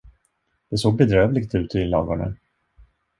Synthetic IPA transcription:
d̪̥ɛsoːɡ̚bɛd̪ɾøːvlɪɡt̪ʉ̟ːt̪ʰɪlɑ̰ːɡɔɳə̰n

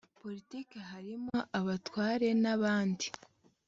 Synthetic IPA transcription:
po̞ɾitiːkeɦaɾimo̞ʔaβatwaːɾe̞naβaːndi

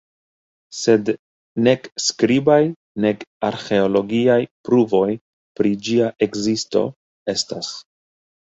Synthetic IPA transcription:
se̞d | ne̞kskɾibaj | ne̞kaɾxe̞olo̞ɡiajpɾuvo̞j | pɾid͡ʒiaʔe̞kzisto̞̰ | e̞stas

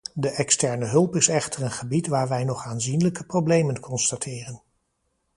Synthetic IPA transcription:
dəʔɛkstɛɹnəɦɵlˠpɪsɛχtərənχəbitʋaːɹʋɛjnɔχaːnzinləkəprowblejmənkʰɔnstatʰɪːrən

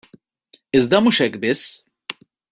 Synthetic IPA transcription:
ɪzd̪ɐmuʃɛkbɪs

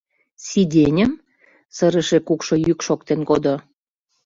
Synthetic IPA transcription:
sid̪ʲenʲəm | səɾəʃekukʃojykʃok̚t̪enkod̪o

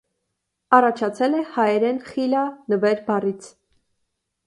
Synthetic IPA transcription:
ɑrɑt͡ʃʰɑt͡sʰɛlɛhɑjɛɾɛnχilɑnəvɛɾbɑrit͡sʰ

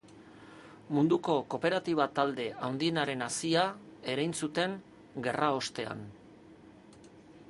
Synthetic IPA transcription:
mund̪uko̞ko̞pe̞ɾat̪iβ̞at̪ald̪e̞awnd̪ie̞naɾe̞nasiae̞ɾajnsut̪e̞ŋ | ɡe̞rao̞st̪e̞a̰n

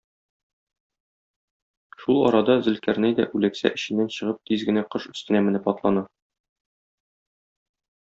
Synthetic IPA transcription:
ʃulˠɒ̰ɾɑd̪ɑzɘ̆lkæɾnæjd̪æ̰ʔʉlæksæ̰ʔɘ̆ɕɘ̆nːænɕɤ̆ʁɤp̚t̪izɡɘ̆næqɤʃɵ̆st̪ɘ̆næmɘ̆nɘpɒt̪lˠɑnɑ

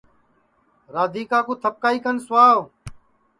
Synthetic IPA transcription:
ɾaːd̪iːkaːkuːt̪ʰəp̚kaːiːkənsʊwaːʋ

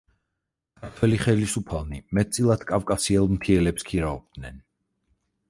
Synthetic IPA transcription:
kʰaɾt̪ʰwɛliχɛlisupʰalˠnimɛt̪̚ʼsʼilˠad̪kʼavkʼasiɛlˠmt̪ʰiɛlɛpskʰiɾaɔb̚d̪nɛn

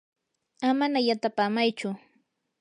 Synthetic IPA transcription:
amanajat̪apaːmajt͡ʃʊ

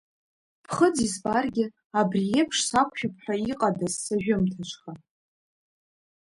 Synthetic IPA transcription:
pʰχəd͡zizbarɡʲɪ | abriepʰʂsakʷʰʼʃᶣapʰħʷᶣaiqʼadazːaʒᶣʊmtʰat͡ʃʷʰʼχa

